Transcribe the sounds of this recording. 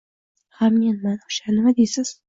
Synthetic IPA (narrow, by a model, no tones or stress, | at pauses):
hamːenmanʊʃanɪmad̪esɪz̥